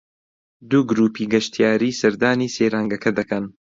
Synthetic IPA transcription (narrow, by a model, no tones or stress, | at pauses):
d̪uːɡɾuːpiːɡɐʃt̪ʰijaːɾiːsɐɾd̪aːniːseːɾaːŋɡɐkʰɐd̪ɐkɐn